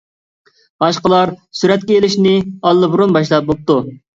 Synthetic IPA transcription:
b̥ɑʃqəlˠɑɾsyɾɛt̪kʲɛelɪʃnɪɑlˠːɨbuɾunbɑʃ̬lˠɑp̚bop̚t̪u

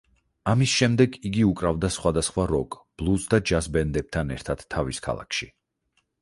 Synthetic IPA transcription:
amisʃɛmd̪ɛɡiɡiukʼɾavd̪asχwad̪asχwaɾɔkʼb̥lˠusd̪ad͡ʒasbɛnd̪ɛb̚t̪ʰanɛ̰ɾt̪ʰad̪̥ʰːaviskʰa̰lˠa̰kʰʃi

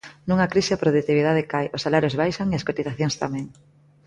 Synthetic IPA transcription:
nũŋɐkɾiʃɪapɾoðut̪iβ̞iðað̞ekajʔʊsalaɾjozβajʃaŋeɐskot̪iθaθjoŋst̪amɛ̃ŋ

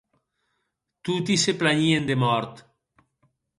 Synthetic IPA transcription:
t̪ut̪̬iseplaɲiend̪emɔɾt̪

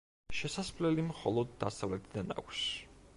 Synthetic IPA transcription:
ʃɛsasmlɛlimχɔ̰lˠɔd̪ːasavlɛt̪ʰid̪ana̰kʷʰs

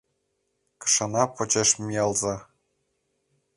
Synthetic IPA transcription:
kɤ̥̆ʂɤ̆nɑpŏt͡ɕeʃmʲiɑlˠzɑ

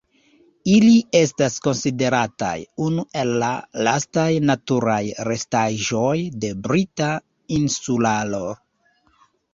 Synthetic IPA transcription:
ilie̞stasko̞nside̞ɾata̰junuʔe̞lːa̰lastajnatuɾajɾe̞staʒo̞jde̞bɾita | insulalo

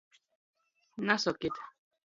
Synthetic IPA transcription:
nasɔket̪

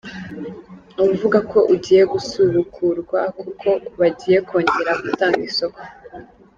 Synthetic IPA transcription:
umuvuɡako̞ʔuɟiːje̞ɡusuɾukʰuɾɡwakukʰo̞βaɟiːje̞ko̞ːɲɟe̞ɾaɡutaːŋɡiso̞ko̥

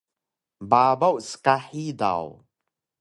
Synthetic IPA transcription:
baːbawʔskaħiːd̪a̰w

